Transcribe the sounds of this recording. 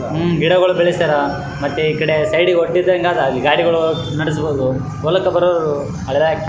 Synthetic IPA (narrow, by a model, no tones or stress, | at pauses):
ɡiɽɐɣɐɭubeɭist̪ɐɾɐ | mɐt̪ːeikːɐɽesɐjɽioʈːiɾd̪ɐŋɡaːd̪ɐlːiɡaːɽiɣɐɭu | nɐɽis̬boːd̪u | ɔlɐkːɐbɐɾod̪u | ɐɭɐlak